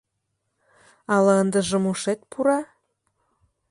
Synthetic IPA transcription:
ɑlɑənd̪ə̆ʒə̆muʃet̪̚pʰuɾɑ

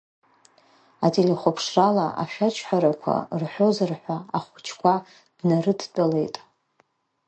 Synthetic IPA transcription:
atʰʼeliχʷopʰʂralaa̰ʃᶣat͡ʃʰʼħʷᶣaɾakʷʰa̰rħʷozɨrħʷaaχʷʊt͡ʃʰkʷʰa | d̥narɨdt͡pʷʼale̞jtʼ

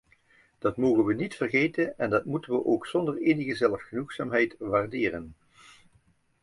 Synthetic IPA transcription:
d̥ɑtmoːɣənʋənitfərχejtənɛndɑtmutənʋəʔowksɔndəreːnəɣəzɛləfχənuχsa̰ːmɦɛjtʋaːrdɪːrən

